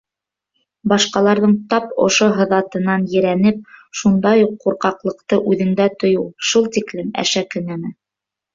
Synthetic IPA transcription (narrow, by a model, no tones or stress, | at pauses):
bɑʃqɑlˠɑɾðɤɴt̪ɑpŏ̰ʃoɦɤ̆ðɑt̪ɤ̆nɑnjɘ̆ɾænɘp̚ʃund̪ɑjuqːuɾqɑqlˠɤ̆qt̪ɤʔʉðɘ̆ŋd̪æt̪ŏjuwʃulˠt̪iklɘmæ̰ʃækɵ̆næmɘ